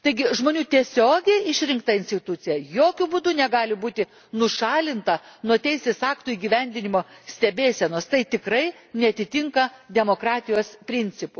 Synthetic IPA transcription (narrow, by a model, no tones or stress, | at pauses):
t̪ɐɪɡʲɪʒmoːnʲuːt̪ʲiɛsʲoːɡʲɛɪɪʃʲɾʲɪŋkt̪ɐɪnʲsʲt̪ʲɪt̪ʊt̪sʲɪjɛjoːkʲʊbud̪ʊnʲɛɡɑːlʲɪbuːt̪ʲɪ | nʊʃɑːlʲɪnt̪ɐnuɔt̪ʲɛɪsʲeːsɑːkt̪uiːɡʲiʋʲɛnʲd̪ʲɪnʲɪmoːsʲt̪ʲɛbʲeːsʲɛnoːst̪ɐɪt̪ʲɪkrɐɪ | nʲɛɐt̪ʲɪt̪ʲɪŋkɐd̪ʲɛmoːkɾɑːt̪ʲɪjoːspʲɾʲɪnʲt͡s̪ʲɪpʊ